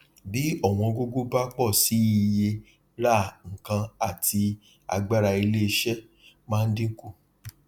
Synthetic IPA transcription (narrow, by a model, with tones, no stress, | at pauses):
bi˨˦ɔ˦˨w̃ɔ̃˧ɡo˦ɡo˦ba˦k͡pɔ˦˨si˨˦i˨je˧ | ɾa˦˨ŋ̩˨kã˧a˨tʰi˧ | a̰˧ɡ͡ba˦ɾa˧i˧le˦i˧ʃɛ˦ | mãː˦˧n̩˦dĩ˦ŋ̩˦ku˦˨